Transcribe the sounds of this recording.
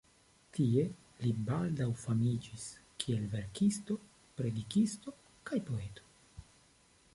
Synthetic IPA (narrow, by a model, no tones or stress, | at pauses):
tie̞ | libaldawfamid͡ʒiskʰie̞lve̞ɾkisto̞ | pɾe̞dikisto̞ | kajpo̞etʰo̥